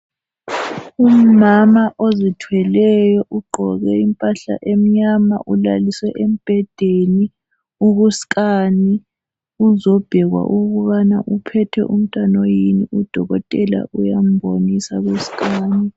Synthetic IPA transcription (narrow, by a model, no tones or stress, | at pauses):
um̩mamaʔozitʰwɛlɛjɔʔuɡ͡ǃʱɔɣɛimpʼaɬa̰ʔem̩ɲama̰ʔulaliswɛʔem̩b̥ʱɛd̥ʱeni | uɣuskʼani | uzɔb̥ʱɛɣwa̰ʔuɣuβana̰ʔupʰɛtʰɛ̰ʔum̩tʼanojiniud̥ʱɔɣɔtʼɛla̰ʔujam̩bʱonisaɣusi̥kʼaːni